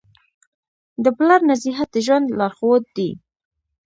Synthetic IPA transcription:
d̪əplaɾnaziɦat̪̚əʒwand̪lɑɾxod̪̚ːi

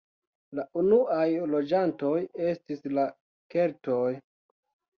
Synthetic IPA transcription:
laʔunuʔajlo̞d͡ʒantoje̞stisla | ke̞lto̞j

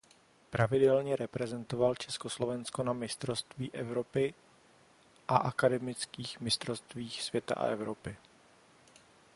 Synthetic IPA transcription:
pɾavɪdɛlɲɛɾɛpɾɛzɛnt̪o̞valt͡ʃɛskoslo̞vɛnsko̞namɪst̪ɾo̞st̪viːʔɛvɾo̞pɪ | ʔaʔakadɛmɪt͡skiːxmɪst̪ɾo̞st̪viːxsv̥jɛt̪a̰ʔa̰ʔɛvɾo̞pɪ

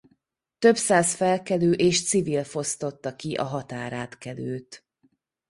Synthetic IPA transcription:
t̪ø̞bsaːzfɛlkɛløːʔeːʃt̪sivilfo̞st̪o̞t̪ːɒkiʔɒɦɒt̪aːɾaːt̪kɛløːt̪

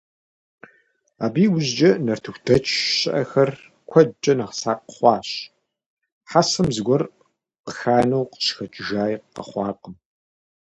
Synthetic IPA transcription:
aːbiːwʊzd͡ʒɐnɐrtʰɨxʷdʰɐt͡ʃʰʼɕɪʔɐxɐr | kʷʰɐt͡ʃʼɐnɐʁsaːqəχʷɑːɕ | ħasɐmzɨɡʷɔr | qəxaːnɐwqə̥ʃxɐt͡ʃʼʒaːjqqɐ̰χʷɑːqəm

